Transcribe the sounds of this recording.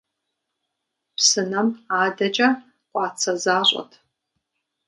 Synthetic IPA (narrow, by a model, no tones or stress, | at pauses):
psɨnɐmaːdɐt͡ʃʼɐ | qʷʼɑːt͡sʰɐzaːɕʼɔ̰tʰ